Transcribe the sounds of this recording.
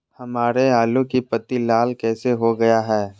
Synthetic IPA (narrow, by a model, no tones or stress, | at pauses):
hɐmaːɾeaːlũkipɐt̪ilaːlkɛːseɦoɡɐjaɦɛː